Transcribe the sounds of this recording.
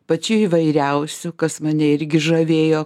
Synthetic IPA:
pɐt͡ʃʲʊiːʋɐɪɾʲɛʊsʲʊkɐsmɐnʲɛɪɾʲɡʲɪʒɐʋʲeːjoː

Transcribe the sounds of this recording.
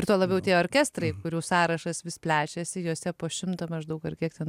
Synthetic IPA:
ɪɾt̪uɔlˠɐbʲɛʊt̪ʲiɛoːɾʲkʲæst̪rɐɪkʊɾʲuːsɑːɾɐʃɐsʋʲɪspʲlʲæːt͡ʃʲɛsʲɪjuɔsʲɛpoːʃʲɪmt̪omɐʃd̪ɐʊkɐrkʲiɛkt̪ʲɛn

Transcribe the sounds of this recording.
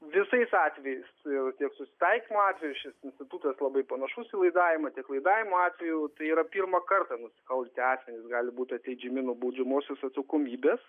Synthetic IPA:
ʋʲɪsɐɪsɑːt̪ʲʋʲɛjɛɪsɪrt̪ʲiɛksʊsʲɪ̥t̪ɐɪkʲɪmoɑːt̪ʲʋʲɛjuʃʲɪsɪnʲsʲtʲɪt̪ut̪ɐslˠɐbɐɪpɐnɐʃʊsilˠɐɪd̪ɑːʋʲɪmɐt̪ʲiɛklˠɐɪd̪ɑːʋʲɪmoːɑːt̪ʲʋʲɛjut̪ɐɪiːɾɐpʲirmɐkɐrt̪ɐnʊsʲɪ̥kɐlˠbʲt̪ʲɪɑːsʲmʲɛnʲɪsɡɑːlʲɪbuːt̪ʲɐt̪ʲlʲɛɪd͡ʒʲɛmʲɪnubɐʊd͡ʒʲɛmoːsʲosɐt̪sɐkoːmʲiːbʲeːs

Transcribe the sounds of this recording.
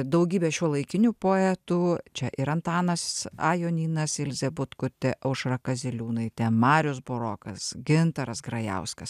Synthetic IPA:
d̪ɐʊɡʲiːbʲeːʃʲuɔlˠɐɪkʲɪnʲupoːɛt̪uːt͡ʃʲɛʔɪɾɐnt̪ɑːnɐsɑjoːnʲiːnɐsɪlʲzʲɛbʊt̪kʊt̪ʲɛʔɐʊʃrɐkɐzʲɪlʲuːnɐɪt̪ʲɛmɑːɾʲʊsboɾoːkɐsɡʲɪnt̪ɐɾɐsɡɾɐjɛ̰ʊskɐs

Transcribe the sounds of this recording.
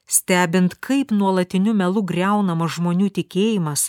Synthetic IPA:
sʲt̪ʲæːbʲɪnt̪kʰɐɪpnuɔlˠɐt̪ʲɪnʲʊmʲɛlˠʊɡɾʲɛˑʊnɐmɐsʒmoːnʲuːt̪ʲɪkʲeːjɪmɐs

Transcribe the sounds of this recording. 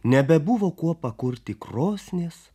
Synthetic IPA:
nʲɛbʲɛbʊʋoːkuɔpɐkʊɾʲt̪ʲɪkɾoːsʲnʲeːs

